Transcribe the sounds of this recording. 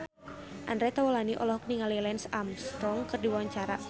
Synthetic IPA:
ʔandɾɛt̪awɔlaniʔɔ̰lɔhk̚niŋalilɛnsamst̪ɔŋkɨrdiwaɲt͡ʃaɾa

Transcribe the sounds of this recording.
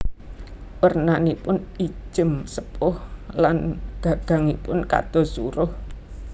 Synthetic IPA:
wərnanipʊni̥d͡ʒʒ̥ə̤msəpʊhlanɡ̥a̤ɡ̥ä̤ŋipʊnka̰d̪̥ɔ̤suɾʊh

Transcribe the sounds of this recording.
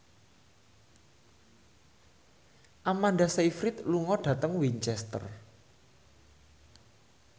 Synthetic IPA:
ʔamanɖaseifɾit̪luŋɔɖ̥ä̤t̪əŋwiɲt͡ʃɛst̪ə̰r

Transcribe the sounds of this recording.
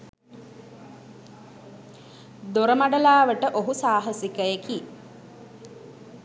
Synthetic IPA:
d̪oɾəmaɖəlaːʋəʈəʔoɦusaːɦəsikəeki

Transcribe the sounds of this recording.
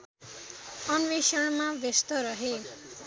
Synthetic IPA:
ʌnʋesʌɽ̃mabest̪ʌɾʌɦe

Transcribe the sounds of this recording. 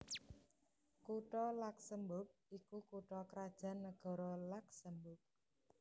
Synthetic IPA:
kuʈɔlak̚səmbʊp̚ikukuʈɔkɾad̥ʒ̥a̤nːəɡ̥ɔ̤ɾɔlak̚səmbʊp̚

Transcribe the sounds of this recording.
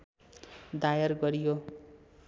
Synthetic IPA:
d̪ajʌrɡʌɾijo

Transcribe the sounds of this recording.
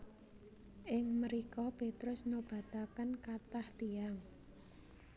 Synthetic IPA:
ʔɪŋməɾikɔpet̪ɾʊsnob̥a̤t̪akənkat̪aht̪iaŋ

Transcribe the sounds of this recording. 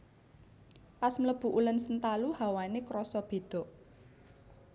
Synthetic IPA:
pasmləb̥ṳʔulənsənt̪aluhawanekɾɔsɔb̥e̤d̪̥ɔ̤ʔ

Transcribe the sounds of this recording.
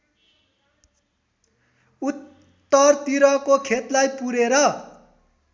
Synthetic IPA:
ut̪ː | ʌrt̪iɾʌkokʰet̪lajpuɾeɾʌ

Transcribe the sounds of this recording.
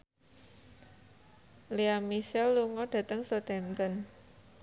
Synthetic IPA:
liamisɛlːuŋɔɖ̥ä̤t̪əŋsɔt̪ɛnt̪ən

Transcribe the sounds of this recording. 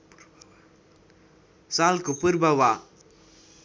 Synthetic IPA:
saːlkupuɾbɐwaː

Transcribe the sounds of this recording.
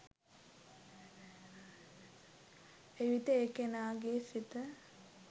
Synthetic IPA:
eʋit̪əekenaːɡeːsit̪ə

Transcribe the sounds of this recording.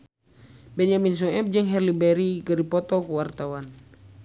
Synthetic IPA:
bɛnamins̬ɔɛp̚d͡ʒəŋɦɛrlibɛɾikəɾipɔt̪ɔkuwart̪awan

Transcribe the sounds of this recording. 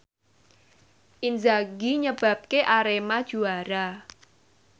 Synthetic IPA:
ʔinzaɡiɲəb̥a̤p̚keʔaɾemad̥ʒ̥uaɾa

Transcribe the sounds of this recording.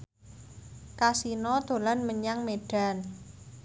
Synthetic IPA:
kasinɔd̪̥o̤lanməɲaŋmeɖ̥a̤n

